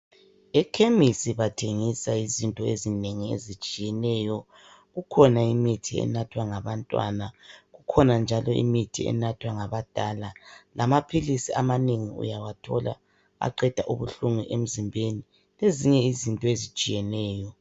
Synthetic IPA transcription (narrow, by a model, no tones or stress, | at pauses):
ɛkʰemisiβatʰeŋisaizintʼɔezineŋiḛzit͡ʃʼijɛnɛjɔ | ɣukʰɔnaimitʰiɛ̰natʰwaŋaβantʼwa̰naɣukʰɔnand͡ʒʱalɔḭmitʰiɛ̰natʰwaŋaβad̥ʱalalamapʰilisiamaneŋiṵjawatʰɔla̰ | a̰ǃɛd̥ʱaʔuβuɬuŋuʔem̩zimbʱeni | leziɲɛizintʼɔezit͡ʃʼijɛnɛːjɔ